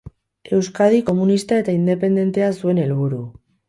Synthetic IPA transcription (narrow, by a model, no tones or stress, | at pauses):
e̞wskað̞iko̞munist̪ae̞t̪aind̪e̞pe̞nd̪e̞nt̪e̞asue̞ne̞lβuɾu